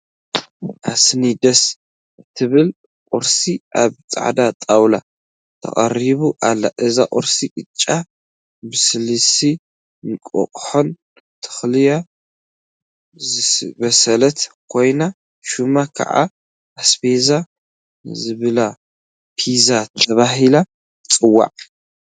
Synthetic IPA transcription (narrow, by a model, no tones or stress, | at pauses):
ʔasnid̪ɐs | ɨt̪ʰɨβɨl | qʼʊɾsiʔa̰βt͡sʼa̰ʕd̪at̪ʼawla̰ | t̪ʰɐ̰χʼɐ̰ɾiβuʔalːaʔɨzaʔʼɔɾsiʔɨt͡ʃʼːa | bɨsɨlɨsi | nkʼo̰χʼħon | t̪ʰɨ̥xlɨja | bɐsɐlɐt̪kʰo̞jna | ʃumakʰɐ̰ʕa̰ː | sbeza | zɨβɨla | pʰizat̪ʰɐβaɦila | t͡sʼɨwːa̰ʕʼ